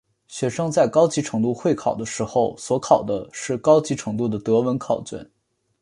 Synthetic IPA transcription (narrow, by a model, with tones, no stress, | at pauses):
ɕɥɛ˧˥ʂɤ˥ŋt͡sa˥˩ɪkɑ˥ʊt͡ɕi˧˥ʈ͡ʂʰɤ˧˥ŋt̪u˥˧xwe˥˩ɪkʰɑ˨˩ʊd̪ə˦ʂɻ̩˧˥xo˥˧ʊswɔ˧˥kʰɑ˨˩ʊd̪ə˦ʂɻ̩˥˩kɑ˥ʊt͡ɕi˧˥ʈ͡ʂʰɤ˧˥ŋt̪u˥˩d̪ə˩t̪ɤ˧˥wə˧˥nkʰɑ˨˩ʊt͡ɕɛ̰˥˩˦n